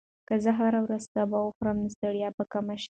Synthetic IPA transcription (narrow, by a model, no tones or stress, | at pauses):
kəzəɦaɾawɾazt̪abawəxɾəmd̪əst̪əɽjɑpəkamaʃ